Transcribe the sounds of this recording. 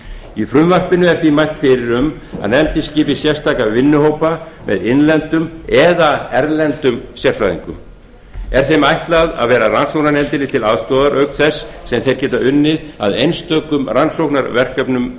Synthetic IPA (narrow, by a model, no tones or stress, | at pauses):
ifɾʏmvar̥pɪnʏɛɾ̥θvimajlt̪fɪɾɪɾʏm | a̰ðnɛmt̪ɪscɪːpɪsjɛr̥st̪aːkavɪnːʏhowpamɛ̰ðɪnlɛnt̪ʏmɛðaɛɾlɛnt̪ʏmsjɛr̥faðḭŋkʏ̰m | ɛɾ̥θejmajht̪laða̰ðvɛːɾaransowknaɾnɛnt̪ɪlɪt̪ʰɪlaðst̪ɔːðaɾʔœɥkθɛsːɛmθejɾ̥cɛːt̪aʏnːɪða̰ðejnst̪œːkʏmransowknaɾvɛr̥kœpnʏm